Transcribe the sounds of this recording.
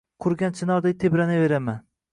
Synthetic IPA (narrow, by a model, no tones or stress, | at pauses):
qʰʊɾɡʲant͡ʃʰɪnɒɾd̪ajt̪ʰebɾanave̞ɾaman